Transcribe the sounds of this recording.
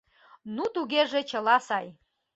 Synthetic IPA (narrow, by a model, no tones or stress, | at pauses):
nut̪uɡʲeʐet͡ʃʰɐlasaj